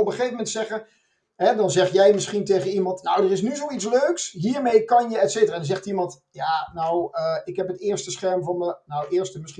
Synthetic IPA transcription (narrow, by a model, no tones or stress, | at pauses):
ɔpəχejfəmɛntsɛχə | ɦɛdɔnzɛχjɛjmɪsχintejɣəimɑntnowdərɪs̬nyzowitt͡sløːksɦiːəɹmejkɑnjəɛtseːtəraːdɔnzɛχtimɑnt | jaːnawəɪkɦɛpətɪːɹstəsχɛɹmvɔnənawɪːɹstəmɪsχi